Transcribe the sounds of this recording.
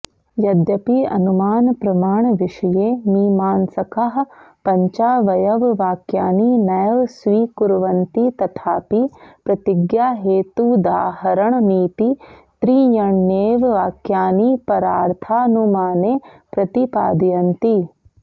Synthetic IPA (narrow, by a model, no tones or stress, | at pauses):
jɐd̪jɐpiɐ̰numaːnpɾɐmaːɳʋɪʂɐjeːmiːmaːnsɐkɐɦpɐɲt͡ʃaːʋɐjɐʋʋaːkjaːninɐjɐʋsʋiːkuɾʋɐnt̪it̪ɐt̪ʰaːpipɾɐt̪iɡjaːɦeːt̪ud̪aːɦɐɾɐɳniːt̪it̪ɾiːjɐɳneːʋʋaːkjaːnipɐɾaːɾt̪ʰaːnumaːneːpɾɐt̪ipa̰ːd̪ijɐnt̪i